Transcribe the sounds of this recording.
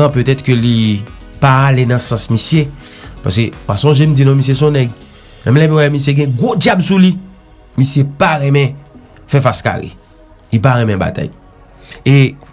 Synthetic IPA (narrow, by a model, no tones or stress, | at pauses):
ãpøt̪ɛt̪køli | paːlenɐ̃sɐ̃smisje | pa̰sewasɔ̃ʒem̩d͡zinɔ̃mis̬jesɔ̃nɛɡ | mɛ̃mlɛmĩwɛmis̬jeɡɛ̃ɡod͡ʒjabsuli | misjepaɣɛ̃mɛ̃ | fɛfaska̰lḛ | lipaɣɛ̃mɛ̃ba̰t̪a̰j | e